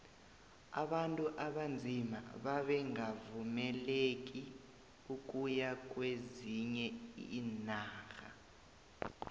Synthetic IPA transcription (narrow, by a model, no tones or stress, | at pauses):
a̰ɓantʼuʔaɓand͡zʱima̰ɓaɓɛŋavumɛlek̬ʼi | uk̬ʼujak̬ʼweziɲɛinaːɣa̰